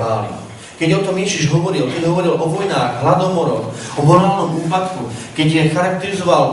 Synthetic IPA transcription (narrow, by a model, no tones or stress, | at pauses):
aːlnɛ̰ | kɛɟɔt̪ɔmjɛʒiʒɦɔʋɔɾilkɛɟɦɔʋɔɾilɔʋɔjnaːɣɦlad̪ɔmɔɾɔxɔɦɔɾaːlnɔmuːpat̪kukɛɟjɛxaɾak̚t̪ɛɾizɔʋal